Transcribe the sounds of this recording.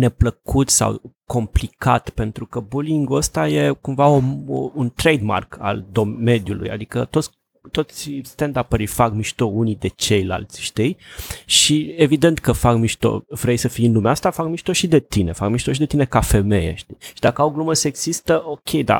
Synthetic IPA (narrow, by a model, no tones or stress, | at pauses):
ne̞pləkut̪sa̰wko̞mplikʰat̪pe̞nt̪ɾukəbuliŋɡuəst̪aje̞kumvaoount̪ɾejd̪ma̰rkʰa̰ld̪o̞me̞d̪julṵja̰d̪ikət̪o̞t̪sʲ | t̪o̞t̪sʲst̪end̪apəɾifakmiʃt̪ounid̪e̞t͡ʃe̞jla̰lt̪sʲʃt̪ijʃievid̪e̞nt̪kəfakmiʃt̪o̞̰vɾe̞jsəfiɨnlumeast̪afakmiʃt̪oʃid̪e̞t̪ine̞fakmiʃt̪oʃid̪e̞t̪ine̞kafe̞me̞jḛʃt̪ijʃid̪akəawɡluməsəeɡz̥ist̪əʔo̞kʲʰe̞jd̪a̰